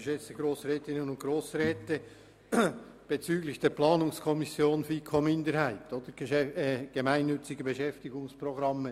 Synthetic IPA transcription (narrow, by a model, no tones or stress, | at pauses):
ʃɛt͡səɡ̥ɾoːsrɛːtɪnənʊnt̚ɡ̥ɾoːsɾɛːtə | b̥et͡syːɡlɪçd̥eːɐplaɑːnʊŋskʰɔmɪsjoːnfiːkʰomɪndəɾhaɪtod̥əɾ̥ɛɡ̥emaɪnːʏt͡sɪɡəbəʃɛftɪɡʊŋsproɡɾɑmːə